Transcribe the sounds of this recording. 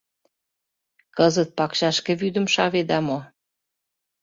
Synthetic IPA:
kəzət̪̚pɑkʃɑʃkĕβyd̪ə̆mʃɑβed̪ɑmo

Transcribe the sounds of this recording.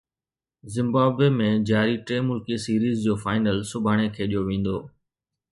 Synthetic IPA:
zɪ̃mbaːbeːmẽd͡ʑaːɾiʈɾeːmʊlkisiːɾiːzd͡ʑoːfaːɪnəlsʊbʱaːɽ̃ekʰeːɗijoʋẽːn̆d̪oː

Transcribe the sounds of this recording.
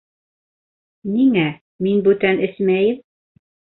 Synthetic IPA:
niŋæ | minbʉt̪ænɘsmæjɘm

